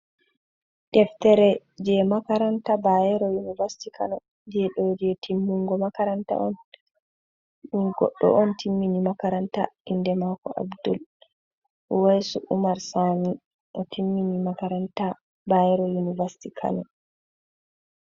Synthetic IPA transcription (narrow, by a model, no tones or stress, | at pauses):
ɗɛftɛɾɛd͡ʒɛmakaɾantabajɛɾɔjunivasi̥tikʰa̰nɔ | d͡ʒɛɗɔd͡ʒiɛtʰimːuŋɡɔmakaɾanta̰ʔɔn | ɗunɡɔ̰ɗːɔ̰ʔɔntʰimːinimakaɾanta̰indɛmakɔʔa̰bdɔ̰l | ʔɔwajsuʔumaɾsami | ʔɔtʰimːinimakaɾanta | bajɛɾɔjunivasi̥tikʰa̰nɔ